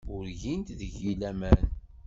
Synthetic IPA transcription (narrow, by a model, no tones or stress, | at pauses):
ʊɾʝint̪ðəʝilæmæn